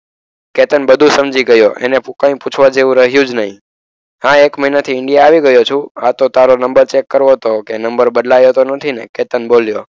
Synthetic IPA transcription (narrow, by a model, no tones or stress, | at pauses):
ket̪ənbəd̪ʱũsəmd͡ʒiɡəjoʔḛnekãĩput͡ʃʰʋad͡ʒeʋũɾəɦjũd͡ʒnəɦĩ | ɦãekməɦinat̪ʰiɪɳɖijaːʋiɡəjot͡ʃʰũat̪ot̪aɾonəmbəɾt͡ʃekːəɾʋot̪okenəmbəɾbəd̪lajot̪onət̪ʰineket̪ənboljo